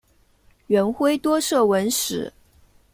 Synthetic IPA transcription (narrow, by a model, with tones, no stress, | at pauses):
ɥɛ˧˥nxwe˥ɪt̪wɔ˥ʂɤ˥˩wə˧˥nʂɻ̩˨˩˦